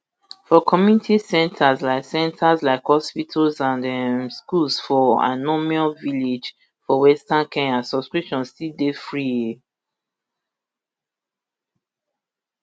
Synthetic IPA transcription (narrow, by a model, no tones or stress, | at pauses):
fɔkʰɔmjunitʰisɛ̃ntʰazlaɪksɛ̃ntʰaslaɪkhɔspitʰlzãnɛmskulsfɔa̰nɔmiɔlviled͡ʒ | fɔwɛstãnkʰɛ̃ŋasɔskɹiʃɔ̃nstidefɹije